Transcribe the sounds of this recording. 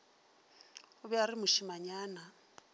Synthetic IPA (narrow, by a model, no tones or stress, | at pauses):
ʊbɛaɾɪmʊʃimaɲaːna